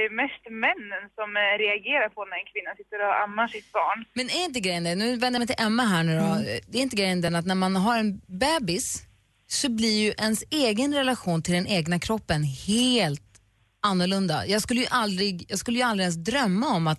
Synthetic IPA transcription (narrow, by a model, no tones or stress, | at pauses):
mɛst̪mɛnːənsɔmɾɛaɡeːɾaɾpʰɔnæɾɛnkʰvɪnːasɪt̪ːəɾɔa̰mːaʂɪt̪̚bɑːɳmɛnæɾɪnt̪əɡɾɛjːənd̪ɛnʉ̟ːvɛnd̪əmɛjt̪ɪlʔɛmːəɦæːɳʉ̟ːɾɔd̪ɛɾɪnt̪əɡɾɛjənd̪ɛnat̪næɾmanɦaɾɛnbɛːbɪsː | ɔblɪjɵʔɛnseːɡənɾɛlaɧuːnt̪ʰɪld̪ɛneːɡnakʰɾɔpːənheːlt̪ | anːʊɭɵnd̪a̰jɑːɡskɵlːəjʏʔald̪ɾɪɡjɑːɡskɵlːəjald̪ɾɪɛns̬d̪ɾœmːaɔmːat̪